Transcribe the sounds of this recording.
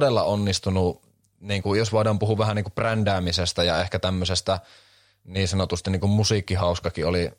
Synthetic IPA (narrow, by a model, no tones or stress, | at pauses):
delːɑ̰onːist̪unu | niːŋkujosʋoˑidɑːmpuhuːʋæhæniːŋkuprændæːmisest̪æjɑehkæt̪æmːøsest̪æ | niːnsɑnot̪ust̪inːiːŋkummusiːkːihɑˑuskɑkioli